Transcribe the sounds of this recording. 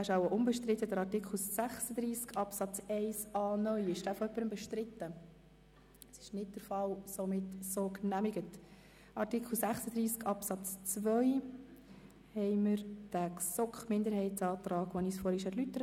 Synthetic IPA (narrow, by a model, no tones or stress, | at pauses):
æʃɑwəʔʊmbɛʃtɾɪtːəd̥əɾɑɾtɪkχl̩sæχsəd̪ɾiːskɑpsɑt͡sɛɪsɑːnœʏɪʃd̥æfɔœpːəɾəmbɛʃtɾɪt̪ːə | sɪ̥ʃnɪt̚d̥əɾfɑlsomɪtsoːknæmɪɡət | ʔɑɾtɪkʰl̩sæχsəd̪ɾiːskɑpsɑt͡st͡svœʏ | hɛɪməɾd̥æksɔkχmɪnd̪əɾhɛɪtsɑːt̪ɾɑːɡ̥ʋɔnisfɔɾhɪʃɛɾlytəɾə